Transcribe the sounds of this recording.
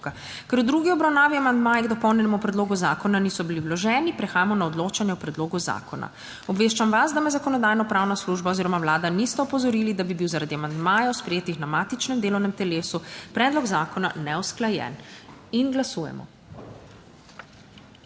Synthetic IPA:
a | kɛɾud̪ɾuɡiɔbɾawnaːʋiamand̪maːjɛɡd̪ɔpɔwnʲjɛnɛmupɾɛd̪loːɡuzaːkɔnanisɔbiliwlɔʒɛnipɾɛxaːjamɔnaɔd̪loːt͡ʃanjɛwpɾɛd̪loːɡuza̰ːkɔna̰ | ɔbʋeːʃt͡ʃamʋasd̪amɛzakɔnɔd̪aːjnɔpɾaːwnasluʒbaoziːɾɔmawlaːd̪anist̪ɛɔpɔzɔɾilid̪abibiwzaɾad̪iamand̪maːjawspɾɛjeːt̪ixnamaːt̪it͡ʃnɛmd̪eːlɔwnɛmt̪ɛleːsupɾɛːd̪lɔɡzaːkɔnanɛwsklajɛ̰ninɡlasujɛ̰mɔ̰

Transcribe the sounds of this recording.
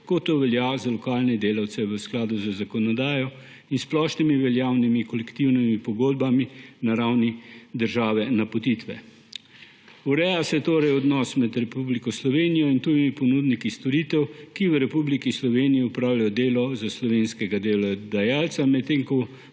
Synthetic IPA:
kot̪ːoʋɛljazalɔkaːlnɛd̪eːlawt̪sɛʋəsklaːd̪uzazakɔnɔd̪aːjɔ | insplɔʃnimiʋɛljaːwnimikɔlɛkt̪iwnimipɔɡoːd̪̚baminaɾawnid̪əɾʒaːʋɛnapot̪it̪ʋɛ̰ | uɾɛjasɛt̪oːɾɛjɔd̪nɔːsmɛd̪ɾɛpublikɔslɔʋeːnijɔint̪uːjimipɔnuːd̪nikist̪ɔɾit̪ɛwkiʋəɾɛpublikislɔʋeːnijiupɾaːwljajɔd̪eːlɔzaslɔʋenskɛɡad̪ewlad̪ajaːlt̪samɛt̪ːeːŋkɔ

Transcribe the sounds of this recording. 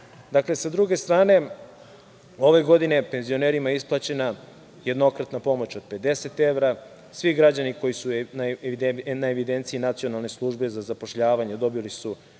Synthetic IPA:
d̪akle̞sad̪ɾuɡe̞st̪ɾaːne̞ | o̞ʋe̞ɡo̞d̪ine̞pe̞nzio̞neɾimaeisplˠat͡ɕe̞na | je̞d̪no̞kɾat̪napo̞mo̞t͡ɕo̞d̪̥̚pe̞d̪e̞se̞t̪e̞ʋɾa | sʋiɡɾad͡ʑaniko̞jisun | naeʋid̪ent̪siinat̪sio̞nalˠne̞slˠuʒbe̞zazapo̞ʃʎaːʋaɲe̞d̪o̞bilisu

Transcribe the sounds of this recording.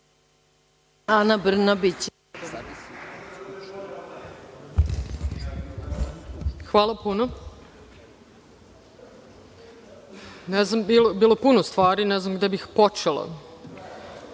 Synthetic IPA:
anabr̩nabit͡ɕ | xʋaːlˠapuno | neznambiːlobiːlˠopunost̪ʋaːɾineznamɡd̪ebixpot͡ʃelˠa̰

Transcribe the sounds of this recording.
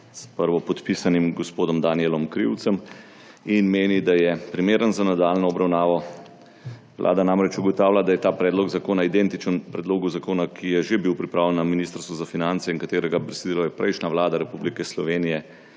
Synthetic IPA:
spəɾʋɔpɔt̪pisanimɡɔspoːd̪ɔmd̪aniɛlɔmkɾḭwt̪sɛm | inmeːnid̪ajɛpɾimeːɾənzanad̪aːlnɔɔbɾawnaːʋɔ | ʋlʔa̰ːd̪anamɾɛt͡ʃuɡɔt̪aːwlʲad̪ajɛt̪aːpɾɛːd̪lɔɡzakoːnaid̪ɛnt̪it͡ʃənpɾɛd̪loːɡuzakoːnakʰijɛʒebiwpɾipɾaːwlɛnːaminist̪əɾst̪ʋuzafinant̪sɛiŋkat̪eːɾɛɡabɾɛsd̪ilɔjɛpɾɛjʃnaʋlaːd̪aɾɛpublikɛslɔʋeːnijɛ

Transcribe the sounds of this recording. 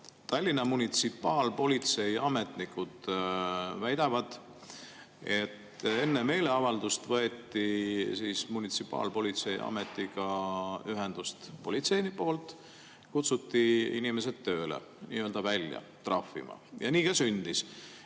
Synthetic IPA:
t̪ɑlʲːinɑmunit̪sipːˑɑːlpo̞lʲit̪se̞jɑme̞t̪nikːud̪̥ | væjd̪ɑvɑd̪̥ | e̞t̪ːe̞nːe̞me̞jle̞ɑvɑld̪ust̪vɤe̞t̪ːisiːsmunit̪sipːˑɑ̰ːlpo̞lʲit̪se̞jɑ̰met̪ːˑiɡɑyɦe̞nd̪̥ust̪po̞lʲit̪se̞jnipo̞ːlt̪ˑ | kut̪sut̪ːiinimes̬ed̪t̪ːø̞ːlḛ | nḭːøld̪ɑvælʲjɑ̰t̪rɑfːḭmɑ̰jɑ̰niːkɑsynd̪̥is

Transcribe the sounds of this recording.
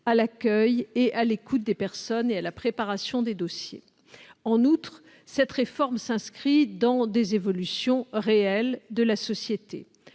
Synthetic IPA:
alakʲœjeʔalekut̪̚d̪epɛʁsɔnealapχepaʁasjɔ̃d̪ed̪osjḛ | ɑ̃nut̪χ | sɛt̪χefɔʁmsɛ̃skχid̪ɑ̃d̪ezevɔlysjɔ̃ʁeɛld̪əlasɔsjet̪ḛ

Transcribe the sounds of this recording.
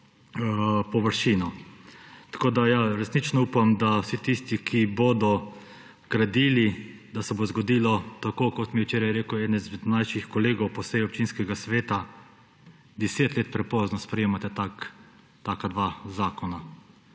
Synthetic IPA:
pɔʋəɾʃiːnɔ | t̪ḁkoːd̪ajaɾɛsnit͡ʃnɔuːpamd̪awsit̪ist̪ikʰiboːd̪ɔ | ɡ̥ɾad̪iːli | d̪asɛbozɡɔd̪iːlɔt̪akoːkɔt̪miɛwt͡ʃeːɾajɛɾeːkuɛːd̪nɛzmɛd̪najʃixkɔleːɡɔwpɔsɛjɔp̚t͡ʃinskɛɡasʋeːt̪a | d̪ɛseːt̪leːt̪̚pɾɛpɔːznɔspɾɛjeːmat̪ɛt̪ak | t̪aːkad̪ʋazaːkɔna

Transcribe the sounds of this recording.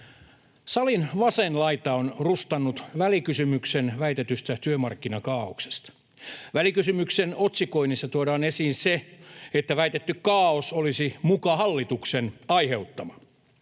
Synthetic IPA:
sɑlinʋɑsenlɑit̪ɑonrust̪ɑnːut̪ʋælikysymyksenʋæit̪et̪yst̪æt̪yømɑrkːinɑkɑːokse̥st̪ | ʋælikysymyksenot̪sikoinisːɑt̪uoɾɑːnesiːnseet̪ːæʋæit̪et̪ːykkɑːosolisimukɑhɑlːit̪uksenɑiheut̪ːɑmɑ

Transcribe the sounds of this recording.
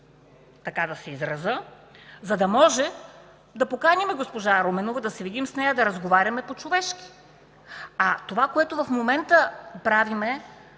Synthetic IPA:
t̪ɐkad̪ɐsɛizɾɐzə | zɐd̪ɐmɔʒɛ | d̪ɐpokanʲɐmɛɡospoʒaɾomɛnovɐd̪ɐsɛvid̪imsnɛjɐd̪ɐɾɐzɡovaɾʲɐmɛpot͡ʃovɛʃki̥ | at̪ovakoɛt̪ovɐfmomɛnt̪əpɾavimɛ

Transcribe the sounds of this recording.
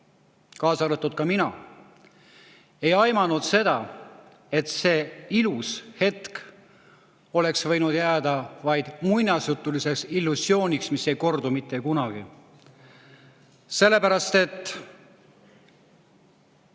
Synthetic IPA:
kɑːsɑɾet̪ːˑud̪̚kɑminɑ | e̞jɑjmɑnud̪se̞d̪ɑ | e̞t̪se̞ːilushe̞t̪k | o̞le̞ksvɤ̞jnud̪̥jæːd̪ɑvɑjd̪̥munʲɑsjut̪ːˑulise̞ksilːusjo̞ːnʲiksmise̞jko̞rd̪umit̪ˑːekunɑɡ̥i | se̞lːe̞pæɾɑst̪e̞t̪ːˑ

